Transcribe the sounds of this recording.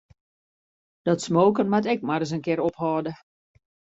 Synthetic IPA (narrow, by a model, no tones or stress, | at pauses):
d̥ɔtsmoːkənmatɛk̚maɾəs̬ənkɪɾophɔːdə